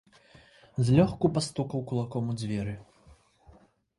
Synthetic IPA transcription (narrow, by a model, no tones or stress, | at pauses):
zʲlʲɔxkupast̪ukɐwkulˠakɔmud͡zʲvʲɛɾɨ